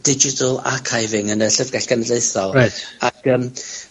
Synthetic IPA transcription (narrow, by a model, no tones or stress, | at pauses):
d̥ɪd͡ʒɪtʰəlˠa̰kʰajvɪŋənəɬəvɡɛɬɡ̥anədeɨθɔlˠɹajtaɡ̥əːm